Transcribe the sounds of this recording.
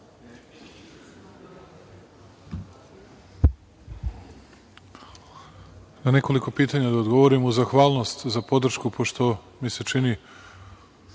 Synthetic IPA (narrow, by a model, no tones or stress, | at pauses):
nane̞ko̞liko̞piːt̪aɲad̪aod̪ɡo̞ʋo̞ɾimuzaxʋaːlˠno̞st̪zapo̞d̪r̩ʃkupʰo̞ʃt̪o̞ | mise̞t͡ʃini